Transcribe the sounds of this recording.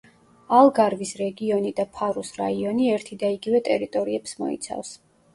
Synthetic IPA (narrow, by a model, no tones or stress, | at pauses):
alˠɡaɾvisɾɛɡiɔnid̪apʰaɾusɾaiɔniɛɾt̪ʰid̪aiɡivɛt̪ʼɛɾit̪ʼɔɾiɛpsmɔ̰ḭt̪sʰa̰fs